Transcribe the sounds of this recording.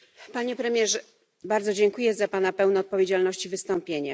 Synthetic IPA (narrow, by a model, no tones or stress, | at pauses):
paɲɛpɾɛmʲjɛʐɛ | baɾd̪zɔd͡ʑɛŋkujɛzapanapɛwnɛːt̪̚pɔvʲjed͡ʑalnɔɕt͡ɕivɘst̪ɔmpʲjeɲɛ